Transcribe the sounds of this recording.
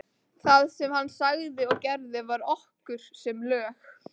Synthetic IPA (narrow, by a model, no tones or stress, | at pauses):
θaðsɛmhanːsaɣðɪɔɣcɛɾðɪvaɾɔhkʏɾ̥sɛmlœːx